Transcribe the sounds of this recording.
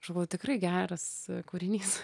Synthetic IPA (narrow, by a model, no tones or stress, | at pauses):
ʃoʊt̪ʲɪkɾrɐɪɡʲæːɾɐskuːɾʲɪnʲiːs